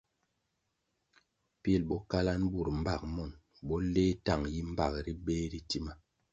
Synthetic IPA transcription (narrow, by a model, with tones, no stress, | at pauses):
pi˦˨lbɔ˦ka˦la˦nbu˦˨ɾm̩˦ba˦˨k̚mɔ˦˨n | bɔ˦le˦ta˦˨ŋji˦m̩˦ba˦˨kɾi˦be˦ɾi˦ti˦ma˦